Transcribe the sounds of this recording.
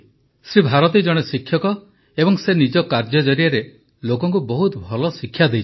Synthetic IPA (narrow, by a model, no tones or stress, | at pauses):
sɾibʱaɾɔt̪id͡ʒɔɽ̃esikʰjɔkɔ | ebɔŋsenid͡ʒɔkaɾd͡ʒɔd͡ʒɔɾijaɾe | lokɔŋk̬ubɔɦut̪bʱɔlɔsikʰːjad̪ejt͡ʃʰ